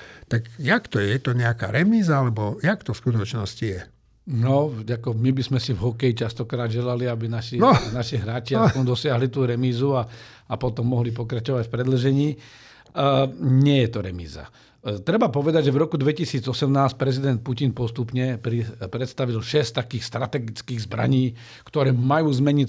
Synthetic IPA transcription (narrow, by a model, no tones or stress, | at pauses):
t̪akjakt̪ɔjɛt̪ɔɲɛaka̰ɾɛmiːzaalɛbɔjakt̪ɔfskut̪ɔt͡ʃnɔscijɛ | nɔakɔmibizmɛsivɦɔkɛjit͡ʃast̪ɔkɾaːd̪ʒɛlaliabinaʃinɔnaʃiɦɾaːt͡ʃɪaɔmd̪ɔsɪaɦlit̪uːɾɛmiːzua | apɔt̪ɔmːɔɦlip̬ɔkɾat͡ʃɔʋacfpɾɛd̪l̩ʒɛɲiː | ɲɪɛjɛt̪ɔɾɛ̰mḭːza̰ | t̪ɾɛbapɔʋɛd̪aɟʒɛvɾɔkud̪ʋɛcisiːd͡zɔsɛmnaːsc̚pɾɛzid̪ɛnt̪̚pucinpɔst̪upɲɛpɾipɾɛt̪st̪aʋilʃɛst̪akiːxst̪ɾat̪ɛɡit͡skiːɣzbɾa̰ɲiː | kt̪ɔɾɛːmajuːzmɛɲi